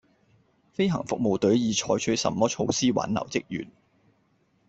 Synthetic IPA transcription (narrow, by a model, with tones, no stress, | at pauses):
fe˥jɦɐ̰˨˩ŋfʊ˨k̚mo˧wt̪ɵ˨˥ɥjiː˨˧t͡ʃʰɔː˧jt͡ʃʰɵ˨˥sɐ̰˧˥mːɔː˥t͡ʃʰo˧wsiː˥wa̰ː˨˥nɐ̰˨˩wt͡sɪ˥k̚jy̰ː˨˩n